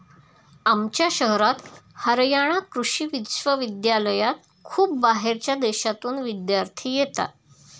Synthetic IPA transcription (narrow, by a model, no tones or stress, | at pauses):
amt͡ɕjaɕəɦɾat̪həɾjaɽ̃akɾuɕiːʋit̪ɕʋəʋid̪jaləjat̪ | kʰuːp̚baɦeɾt͡ɕjad̪eɕat̪uːnʋid̪jaɾt̪ʰiːjet̪a̰